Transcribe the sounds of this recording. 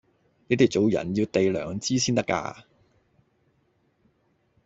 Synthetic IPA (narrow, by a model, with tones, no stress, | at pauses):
ne˨˥jt̪i˨˩t͡so˨˧wjɐ̰˨˩njiː˧wt̪e˨jlœː˨ŋt͡siː˥siː˥nt̪ɐ˥ka̰ː˧